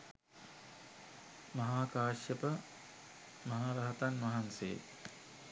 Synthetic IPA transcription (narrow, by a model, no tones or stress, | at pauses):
mɐɦaːkaːʃjəpə | mɐɦaːɾɐɦɐt̪anmɐɦansḛː